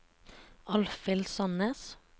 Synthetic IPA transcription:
ɑlfɪlsɑnəs

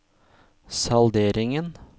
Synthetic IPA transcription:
sɑld̪eːɾɪŋən

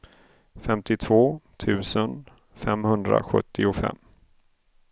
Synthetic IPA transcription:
fɛmt̪ɪt̪ʰv̥oːt̪ʰʉ̟ːsən | fɛmhɵnd̪ɾa̰ɧɵ̰t̪ʰːɪʊfɛ̰mː

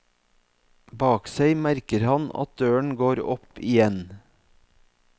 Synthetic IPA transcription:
bɑːkseɪmæɾkəɾhɑnɑ̰t̪̚d̪øːəɳ̩ɡoːɾɔpɪjɛn

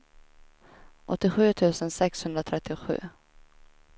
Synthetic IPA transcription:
ʔɔt̪ːɪɧʉːt̪ʰʉ̟ːsənsɛkshɵnd̪ɾat̪ʰɾɛt̪ʰːɪɧʉ̟ː

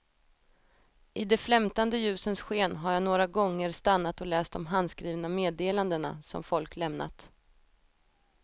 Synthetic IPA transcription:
ʔɪd̪ɛflɛmt̪and̪əjʉ̟ːsənsɧeːnɦaɾjaːnoːɾaɡɔŋːəɾst̪anːat̪ɔlɛːst̪ɔmɦand̪skɾiːvnameːd̪eːland̪əɳa̰sɔ̰mfɔlklɛmna̰t̪

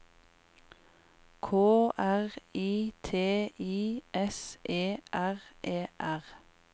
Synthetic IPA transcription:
kʰoːʔæʁiːt̪ʰeːiːʔɛsʔeːʔæʁʔeːʔæʁ

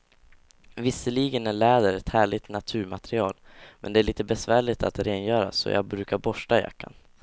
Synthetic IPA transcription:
vɪsːəliːɡənæɭɛːd̪əɾɛt̪hæːɭɪt̪nat̪ʰʉ̟ːɾmat̪ɾɪɑːlmɛnd̪ɛæɭiːt̪əbɛsvæːɭɪt̪a̰t̪ɾeːnjœːɾa̰sɔ̰jɑ̰ːɡbɾʉ̟ːkaɾbɔʂʈaja̰kʰːa̰n

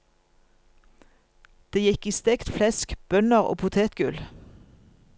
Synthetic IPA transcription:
d̪̥eːjɛkiːst̪ɛkt̪flɛskb̥œnəʁo̰ːpʰʊt̪ʰeːt̪ɡʉl

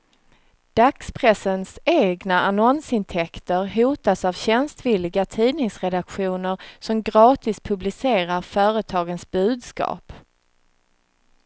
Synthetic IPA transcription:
d̪̥akspʰɾɛsːənseːɡnaanɔnsɪnt̪ʰɛkt̪əɾɦuːt̪asavɕɛnst̪viːlːɪɡat̪ʰiːnɪŋsɾɛd̪akɧuːnəɾsɔmɡɾɑːt̪ɪspʰɵblɪseːɾaɾfœːɾət̪ʰɑːɡənsbʉ̟ːd̪skɑ̰ːp

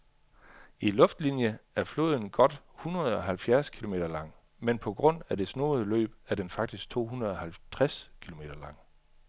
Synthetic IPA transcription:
ilɔ̽fd̥linjəæɐflo̝̰ːð̞̰ˠn̩ɡ̥ɒ̽d̥ | hunʁɐð̩ˠɒ̽ɦælfjæɐskʰilo̝me̝ːdɐlɑ̈ŋ̰ | menpʰɒ̽ɡ̥ʁɔ̽n̰æd̥e̝sno̝̰ːð̩ˠəlø̰ːb̥æɐd̥enfɑ̈ɡ̥̚d̥isɡ̥̚t͡sʰo̝̰ːhunʁɐð̞̩ˠɒ̽hælt͡sʰʁɛskʰilo̝me̝̰ːd̥ɐlɑ̈ŋ̰

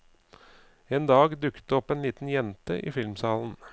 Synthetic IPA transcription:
eːnd̪ɑːɡd̪ʉkə̥t̪ɔpeːnliːt̪n̩jɛnt̪əʔḭːfɪlmsɑːln̩

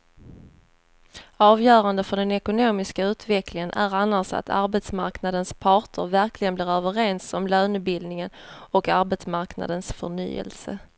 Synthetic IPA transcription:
ɑːvjœːɾand̪əfœɖɛnɛkʊnoːmɪskaʉ̟ːt̪vɛklɪŋənʔæ̰ɾanːasa̰t̪ʰa̰ɾbɛt̪smaɾknad̪ənspʰɑːʈʰə̰ɾvæɾklɪɡənblɪːɾœːvəɾɛnsɔmløːnɵt̪̚bɪld̪nɪŋənɔkaɾbɛt̪smaɾkna̰d̪ənsfœɳy̰ːɛ̰lsə̰

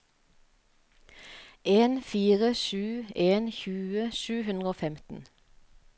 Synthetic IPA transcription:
ʔeːnfiːʁəʃʉːeːnçʉːəʃʉːhʉnd̪ʁəoːfɛmt̪n̩

